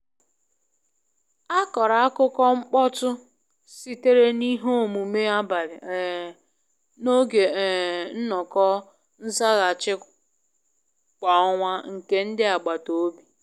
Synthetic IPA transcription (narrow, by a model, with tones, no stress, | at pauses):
a˦kɔ˨ɾa˨a˦kʊ˦kɔ˦ŋ͡m̩˦k͡pɔ˦tʊ˦ | si˦te˦ɾe˦ni˦ɦo˦o˨mu˨me˦a˦ba˨ɾɪ˨ | no˦ɡe˨n̩˦nɔ˨kɔ˦ | n̩˦za˦ɣa˨t͡ʃɪ˦ | kʷa˨ɔ˦ŋʷa˦ŋ̩˨ke˦n̩˦dɪ˦a˨ɡ͡ba˨to˨˦bi˨